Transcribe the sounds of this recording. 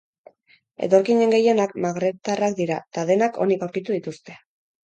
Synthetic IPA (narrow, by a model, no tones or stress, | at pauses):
e̞̰t̪o̞ɾkiɲe̞ŋɡe̞je̞nak̚maɣɾe̞t̪arakd̪iɾat̪aðe̞nakʰo̞̰nikawɾkit̪uðit̪ust̪e̞